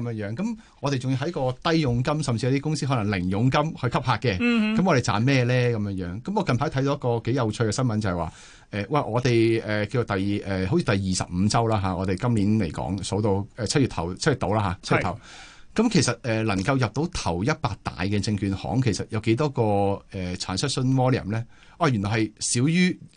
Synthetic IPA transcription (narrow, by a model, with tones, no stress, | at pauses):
kɐ˨˦mjœː˧˥ŋjœː˨˥ŋkɐ˨˦m | ŋɔː˨˧ɾe˨jt͡sʊ˨ŋji˧ɦɐ˧˥jkɔː˧t̪ɐ˥jːʊ˨˧ŋkɐ˥msɐ˨mt͡si˧ɐ˨˧˦t̪iː˥kʊ˥ŋsiː˥ɦɔː˨˦˥lɐ˨˩lɪ˨˩ŋjʊ˨˧˥ŋkɐ˥mhɵ˧ɥkʰɐ˥p̚haː˧kɛ˧kɐ˨˧mŋɔ˨˧ɾe˨˩t͡sa̰ː˨nmɛː˥lɛː˥kɐ˨˦mjœː˧ŋjœː˨˥ŋkɐ˨˥mɔ˨˧kɐ˨npʰaː˨˥jt̪ʰɐ˧˥j̪o˧wjɐ˥kːɔː˧ke˨˥jɐ˨˧wt͡ʃʰɵ˧kɛː˧sɐ˥nmɐ˨nt͡sɐ˨˩hɛ˨jwaː˨˩ | ʔɛː˨wɛ˨˩ʔɔː˨˧t̪e˨jʔɛː˨ki˧o˨t̪ɐ˨jʔɛː˨˩ho˨˥wt͡sʰi˧t̪ɐ˨˩jjiː˨˩sɐ̰˨p̚m̩ː˨˧t͡sɐ˥wlaː˥ɦaː˨˧ɔː˨˧t̪e˨jkɐ˥mliː˨˥nle˨˩jkɔ̰ː˨˥ŋso˨˥wt̪o˧wɛː˨t͡sʰt̚y˨˩t̪ʰɐ̰˨˩wt͡sʰt̚y˨˩t̪o˧˥wlaː˥ɦaː˨˧t͡s̚ʰːt̪ʰɐ˨˩w | kɐ˨˥mkʰe˨˩jsɐ˨t̚ɛː˨lɐ˨˩ŋkɐ˧wjɐ˨p̚t̪o˨˥wt̪ʰɐ˨˩wjɐ˥t̚paː˧k̚t̪a̰ː˨jkɛː˧t͡sɪ˧ŋkyː˧nhɔ̰ː˨˥ŋkʰe˨˩jsɐ˨t̚jɐ˨˧wke˨˥jt̪ɔː˥kɔː˧ɛː˨t͡sʰaː˨˩nsɐ˥t̚sɵ˥nmɔː˥li˨ɐ̰˨˩mlɛː˥ | waː˧˩jy˨nɔː˨˩hɐ˨jsiː˨˥wjyː˥